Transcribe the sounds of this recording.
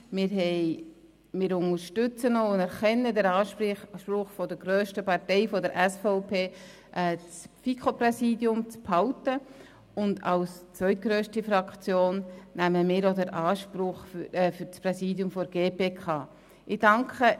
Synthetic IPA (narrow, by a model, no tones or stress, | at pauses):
mɪːɾɦɛɪ | mɪːɾʊŋəɾʃtʏt͡sənoʊnɛɾχɛnːədəɾɑːʃʃpɾʊχfɔdəɾɡ̥ɾøːʃtəpɑɾtɛɪfɔdəɾʔæsfɔʊpʰeː | ʔɛt͡sfikχoprɛsiːdjʊmt͡sphɑʊtə | ʊndɑ̰lst͡sʋœʏtɡ̥ɾøːʃtifɾɑkt͡sjoːnnæməmɪːɾodəɾʔɑːʃpɾʊχɛfyɾt͡spɾɛsiːdjʊmfɔɾɡ̥eːpeːkʰɑː | ʔɪd̥ɑŋkʰχə